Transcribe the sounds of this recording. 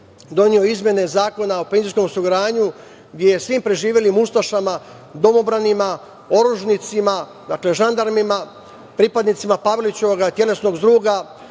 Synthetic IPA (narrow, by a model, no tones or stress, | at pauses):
d̪o̞nio̞izmʲje̞ne̞zaːko̞nao̞pe̞nzisko̞mosuɡɾaːɲu | ɡd̪ʲjejesʋiːmpɾe̞ʒiːʋje̞limust̪aʃama | d̪o̞mo̞bɾanima | o̞ɾuʒnit̪sima | d̪akle̞ʒand̪aɾmima | pɾipad̪nit̪simapaʋelit͡ɕeoɡat̪je̞le̞sno̞ɡzd̪ɾuːɡa